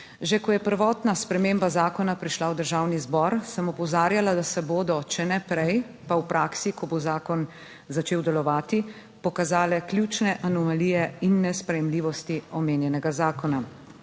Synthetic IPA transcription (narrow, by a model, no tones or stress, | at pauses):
ʒekɔjɛpəɾʋɔːt̪naspɾɛmeːmbazaːkɔnapɾiʃlawd̪əɾʒaːwnizbɔɾsəmɔpɔzaːɾjalad̪asɛboːd̪ɔt͡ʃɛnɛpɾɛj | pawpɾʔaːksikʰɔbozaːkɔn | zat͡ʃeːwd̪ɛlɔʋaːt̪i | pɔkazaːlɛklʲjut͡ʃnɛʔanɔmaliːjɛinːɛspɾɛjɛmliːʋɔst̪iɔmeːnjɛnɛɡazaːkɔna